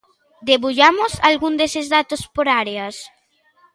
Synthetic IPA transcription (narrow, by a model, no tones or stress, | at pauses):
d̪eβuʎamosalɣund̪esezðat̪ospoɾaɾeas